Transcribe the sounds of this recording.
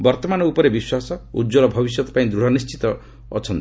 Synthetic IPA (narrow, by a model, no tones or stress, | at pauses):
bɔɾt̪ɔmanɔupɔɾebiswasɔṵdd͡ʒɔlɔbʱɔbis̬jɔt̪ɔ̥paĩd̪ɾuɽ̤ɔnist͡ʃi̥t̪ɔ̰ː | t͡ʃʰɔnt̪i